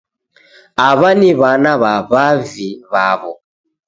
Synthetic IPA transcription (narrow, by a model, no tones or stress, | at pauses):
aβaniβanaβaβaviβaβɔ